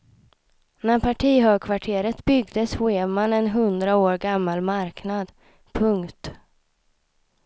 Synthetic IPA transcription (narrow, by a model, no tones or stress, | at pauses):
næɾpʰaʈʰiːɦøːɡkʰvaʈʰeːɾət̪bʏɡd̪əsɧeːmanɛnɦɵnd̪ɾaoːɾɡamːalmaɾknad̪ | pʰɵŋkt̪